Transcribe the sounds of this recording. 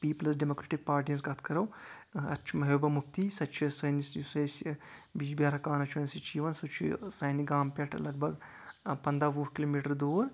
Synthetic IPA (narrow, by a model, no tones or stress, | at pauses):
piːplɐs̬ɖemoːkɾeːʈik̚paːɾʈiɐns̬ɡɐt̪ʰkɐɾɐwɐ̰tːt͡ʃʰimɐɦeːbɐmuk̚t̪iːsɐt͡ʃʰisɐnisjusɐjsʲbiːd͡ʒbjaːɾɐkaːnɐt͡ʃʰuɐnʲsit͡ʃʰiːʋɐnsut͡ʃʰḭsɐːniɡaːmpʲɐʈʰlɐɡ̚bʱɐɡ | pɐnd̪ɾaːʋuːɦkiloːmiːʈɐɾd̪oːɾ